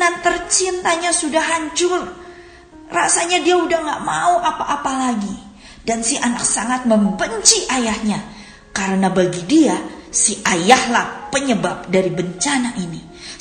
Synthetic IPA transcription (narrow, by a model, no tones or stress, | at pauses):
nant̪ərt͡ʃint̪aɲasudahɦaɲt͡ʃʊr | rasaɲadiaudahŋɡaʔmauʔapaʔːpalaɡi | dansɪhanaksaŋat̪̚məmbəɲt͡ʃiʔajahɲa | kaɾənabaɡidiasihʔajahlahpəɲəbap̚daɾibəɲt͡ʃanaʔini